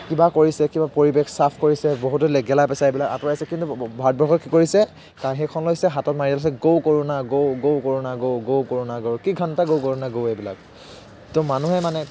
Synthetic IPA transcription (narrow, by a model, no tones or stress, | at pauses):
kibakoɹisɛkibapoɹibexsapʰkoɹisɛboɦutɔlɛɡɛlajpɛsaebilaka̰tɔɹajsɛkintubʱaɹt̚bʱɔɹxɔtkikoɹisɛ | kaɹɦekʰɔnlojsɛɦatɔtmaɹitalas̬ɛɡowkoɹunaɡowɡowkoɹunaɡowɡowkoɹunaɡowkiɡʱɔntaɡowkoɹunaɡowebila̰k̚ | tɔmanuɦɛmanɛ